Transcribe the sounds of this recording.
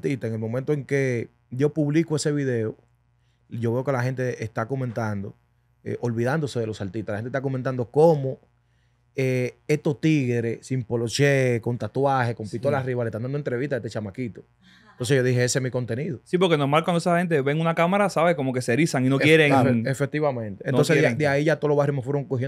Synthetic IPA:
t̪it̪aeŋelmomẽnt̪oe̞ŋke̞ | ʝo̞puβlikoese̞βiðeo | ʝo̞βe̞oke̞laɦe̞nt̪eʔest̪ako̞mẽnt̪and̪o̞ | ḛʔolβiðand̪o̞seðe̞lo̞salt̪it̪aslaet̪et̪akomẽnt̪and̪o̞ko̞mo | eet̪o̞t̪iɣeɾesimpolot͡ʃeko̞nt̪at̪wahe̞ko̞mppit̪olariβalet̪and̪and̪oent̪ɾe̞βiht̪aet̪et͡ʃamakit̪o | nt̪onseʝoðiheesesmiko̞nt̪e̞niðosipoɾkenoɾmalkwand̪oesahent̪̬eβeŋunakamaɾasaβekomoke̞seɾisaŋinokkjeɾeefek̚t̪iβamẽnt̪eːnonsead̪eaiʝat̪oloβarjomofweɾoŋkoɦje

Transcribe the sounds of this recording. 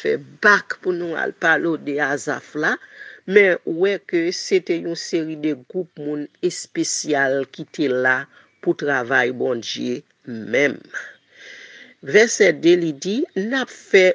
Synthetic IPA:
fɛ̰bakpunũa̰lpalodeaza̰flamɛ̃wɛkøsetɛjũseʁidəɡʁup̚mũnespesjalkitʰela | putʁavajbɔ̃dje | mɛ̃m | vɛsɛdelidinapfɛ

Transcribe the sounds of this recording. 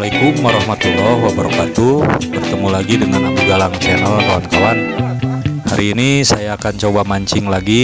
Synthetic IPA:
lekʊmwaɾɔhmat̪ulːɔhwabaɾɔbat̪ubərt̪əmulaɡidəŋanabəɡalaŋt͡ʃɛnɔlkawankawan | haɾʔiːnisajaːkant͡ʃobamaɲt͡ʃɪŋlaɡi

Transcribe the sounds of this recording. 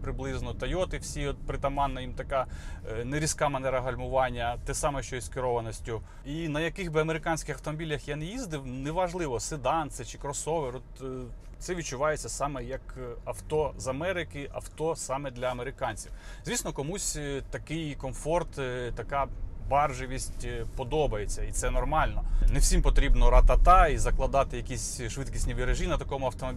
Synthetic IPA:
pɾɪblˠɪznɔt̪ɐjɔt̪ɪwsʲiɔt̪̚pɾɪt̪ɐmɑnːɐjimt̪ɐkɑneɾʲiskɑmɐnɛɾɐɦɐlʲmʊʋɑnʲːɐt̪ɛsɑmɛʃt͡ʃɔjiskɪɾɔʋɐnɔsʲtʲʊ | inɐjɐkɪxbɪɐmeɾɪkɑnʲsʲkʲɪxɐwt̪ɔmɔbʲilʲjɐxjanɛjizd̪ɪwnɛʋɐʒlˠɪʋɔsɪd̪ɑnt̪sɛt͡ʃɪkɾɔsɔʋɪɾɔt̪ | t̪sɛʋʲid̚t͡ʃʊʋɑjet͡sʲːɐsɑmɛjɐkɐwt̪ɔzɐmɛɾɪkɪʔɐ̰wt̪ɔsɑmɛd̪lʲɐɐmeɾɪkɑnʲt͡sʲiwzʲʋʲisnɔkɔmusʲt̪ɐkɪjkɔmfɔrt̪t̪ɐkɑbɑrʒɪʋʲisʲtʲpɔd̪ɔbɐjet͡sʲːɐit̪sɛnɔrmɑlʲnɔnewsʲimpɔt̪ɾʲibnɔɾɐt̪ɐt̪ɑizɐklˠɐd̪ɑt̪ɪjɐkʲisʲʃʋɪt̪kʲisʲnʲiʋɪɾeʒinɐt̪ɐkɔmʊɐwt̪ɔmɔbʲi

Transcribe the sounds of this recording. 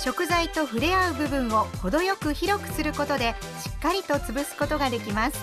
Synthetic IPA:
ɕo̞kɯ̟zait̪o̞ɸɯ̟ɾe̞aɯ̟bɯ̟bɯ̟̃ɰ̃o̞ho̞d̪o̞jo̞kɯ̟çiɾo̞kɯ̟̥sɨɾɯ̟ko̞t̪o̞d̪e̞ | ɕi̥kːaɾʲit̪o̞t͡sɨbɯ̟sɨ̥ko̞t̪o̞ɡad̪e̞kʲimasɨ̥

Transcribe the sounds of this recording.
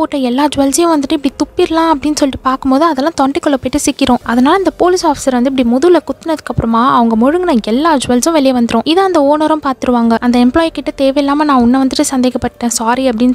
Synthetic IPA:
poːʈːɐɛlːaːd͡ʒʊɐlsɐjʊ̃ʋɐnd̪ɯʈːɯɪp̬ːɐɽit̪ʊpːɪɾlãːɐpːɐɽɪnːɯsɔlːɪʈːɯ̥paːɾkɯmpoːðɯɐðɛlːãːt̪ɔɳʈɪkːɔɭːɐpːoːɪʈːɯsɪkːɪɾõːɐðɐnaːlɐɪnd̪ɐpoːlɪsaːfɪsɐɾʋɐnd̪ɯɪpɐɽimʊðʊlɐkʊt̪ːɯnɐðɯkːɐpːɯɾɐmaːɐʋɐŋɡɐmɔɻɯŋɡɪnãːɛlːaːd͡ʒʊɐlsjʊ̃ʋɛlɪjɐʋɐnd̪ɯɾõːɪðɐɐnd̪ɐoːnɐɾɐmpaːɾt̪ɪɾɯʋaːŋɡɐʔɐnd̪ɐɛmplaːjikɪʈːɐt̪eːʋɛjɛlːaːmɐnãːʊnːɐʋɐnd̪ɯʈːɯsɐnd̪eːɣɐpːɐʈʈːẽːsaːɾiɐpːɐɽɪn

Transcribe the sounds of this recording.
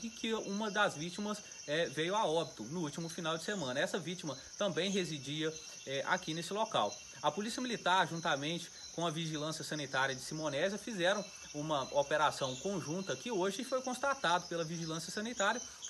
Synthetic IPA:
ɪkʰɪũmɐd̪ɐzvit͡ʃimɐs | ɛvejʊaɔbit̪ʊnʊut͡ʃimʊfinawd͡ʒɪsemɐ̃nɐɛsɐvit͡ʃimɐ | t̪ɐ̃mbẽj̃ɦezid͡ʒiɐ | ɛʔa̰kinesɪlokaw | ɐpolisiɐmilit̪aɾʒũnt̪amẽnt͡ʃɪ̥ | kõɐviʒilɐ̃sjɐsɐ̃nit̪aɾiɐd͡ʒɪsimonɛzɐfizɛɾɐ̃w̃ | ũmɐopeɾasɐ̃w̃kõʒũnt̪ɐkɪoʒɪfojkõst̪at̪ad̪ɐpelɐviʒilɐ̃sjɐsɐ̃nit̪aɾjɐ

